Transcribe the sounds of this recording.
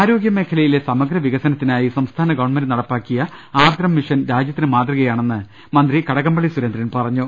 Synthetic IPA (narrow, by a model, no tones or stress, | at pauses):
aːɾo̞ːɡjɐme̞ːkʰɐlɐjile̞sɐmɐɡɾɐʋiɣɐsɐnɐt̪ːinaːjisɐmst̪ʰaːnɐɡɐʋɐɳmendɨnɐɽɐpːaːkːijɐ | aːd̪ɾɐmːiʂɐnɾaːd͡ʑjɐt̪ːinɨmaːt̪rɨɣɐjaːɳe̞nːɨ | mɐnd̪rikɐɽɐɣɐmbɐɭisuɾend̪ɾrɐnpɐrɐɲːu